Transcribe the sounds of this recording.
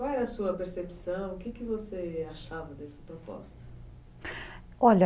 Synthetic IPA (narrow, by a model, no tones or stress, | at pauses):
kwawɛɾɐsuɐpeɾsepsɐ̃w̃ʊkɪkɪvoseaʃavɐd̪ɛsɐ̥pɾopɔ̰st̪ɐ | ɔʎɐ